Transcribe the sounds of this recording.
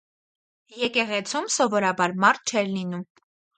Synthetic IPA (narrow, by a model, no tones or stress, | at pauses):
jɛkɛʁɛt͡sʰumsɔvɔɾɑbɑɾmɑɾt̪̚t͡ʃʰɛɾlinum